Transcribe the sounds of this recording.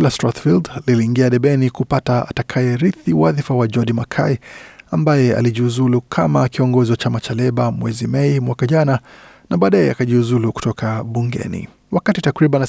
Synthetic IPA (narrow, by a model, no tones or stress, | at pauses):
lastatfildliliːŋɡiaɗɛɓɛnikupataatakʰajɛɾiθiwaðifawad͡ʒɔdimakʰaiambajɛa̰liʄiuzulukʰamakiɔŋɡɔziwat͡ʃamat͡ʃalɛɓamwɛzimɛimwakaʄana | naɓaːɗajɛakaʄiuzuluku̥tɔkʰaɓuŋɡɛ̰nḭ | wakatitakɾiɓan